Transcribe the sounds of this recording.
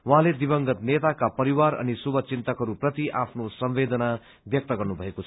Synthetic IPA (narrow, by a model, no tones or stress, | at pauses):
wuɦãled̪ibʌŋɡʌt̪net̪akapʌɾiwaɾʌ̰nisubʱʌt͡sint̪ʌkɦʌɾuprʌt̪iʔapʰnosʌmbed̪ʌna | bjʌk̚t̪ʌɡʌrnubʱʌekot͡sʰ